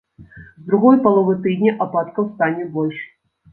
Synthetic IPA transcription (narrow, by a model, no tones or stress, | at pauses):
zd̪ɾuɣɔjpalˠɔvɨt̪ɨd̪ʲnʲiʔapat̪kɐwst̪anʲɛbɔlʲʂ